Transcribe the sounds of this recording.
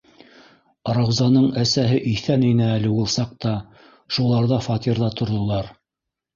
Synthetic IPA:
ɾɑwzɑnɤɴæsæɦɘʔiθæninɘælɘwulˠsɑq̚t̪ɑ | ʃulˠɑɾðɑfɑt̪iɾðɑt̪ŏɾðŏlˠɑɾ

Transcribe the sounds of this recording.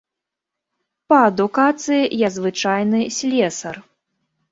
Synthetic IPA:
pɐɐd̪ukat̪sɨjijazvɨt͡ʂajnɨsʲlʲɛsɐr

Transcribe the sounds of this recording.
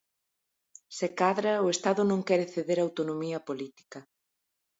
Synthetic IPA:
sekaðɾɐʊest̪aðʊnõŋkɛɾɪθeðeɾawt̪onomiɐpolit̪i̥kɐ

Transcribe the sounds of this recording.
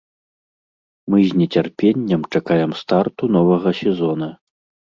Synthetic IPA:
mɨzʲnʲɛt͡sʲarpʲenʲːɐmt͡ʂakajɛmst̪art̪un̪ɔvɐɣɐsʲɛzɔnɐ

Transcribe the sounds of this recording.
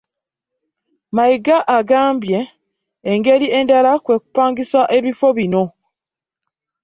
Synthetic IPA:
maiɡaʔːɡaːmbje̞ː | ŋɡe̞liʔe̞ndalakwe̞ːku̥paːŋɡisaʔe̞βifo̞βino̞

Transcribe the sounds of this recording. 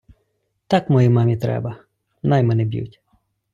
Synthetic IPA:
t̪ɑkmɔjimɑmʲit̪ɾɛ̰bɐ | nɑjmɛnɛbʲjḭwtʲ

